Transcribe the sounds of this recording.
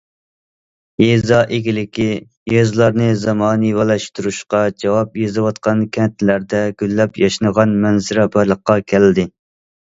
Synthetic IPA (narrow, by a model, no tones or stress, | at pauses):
ezɑʔeɡʲilɪkʲi | jøzlˠɑɾnɨzɑmɑːnɨwɑlˠɛʃt̪uɾuʃqɑd͡ʒɑwɑpjezɨwɑt̪̚qʰɑnkʲʰɛnt̪ʰlæɾd̪ɛɡʲylːɛpjɑʃnəʁɑnmɛnzɪɾɛbɑɾlˠəqːɑkʲʰæld̪ɪ